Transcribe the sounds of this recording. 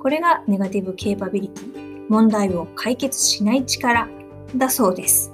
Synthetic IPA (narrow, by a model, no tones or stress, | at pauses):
ko̞ɾe̞ɡane̞ɡat̪ʲibɯ̟kʰe̞ːpabʲiɾʲit̪ʲii | mõ̞nd̪aio̞kʰaike̞t͡sɨ̥ɕinait͡ɕi̥kaɾa | d̪aso̞ːd̪e̞sɨ̥